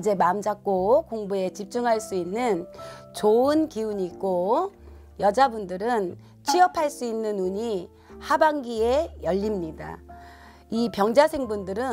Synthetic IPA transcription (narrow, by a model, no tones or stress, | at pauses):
id͡ʑe̞mamd͡ʑak̚k͈okoŋbue̞t͡ɕip̚t͡ɕ͈uŋɦaɭs͈uinːɯnt͡ɕoɯnkiuɲiːk͈o | jʌd͡ʑabundɯɾɯn | t͡ɕʰiʌpʰaɭs͈uinːɯnuɲi | habaŋɡie̞jʌʎːimɲida̰ | ipjʌŋd͡ʑasʰe̞ŋbundɯɾɯ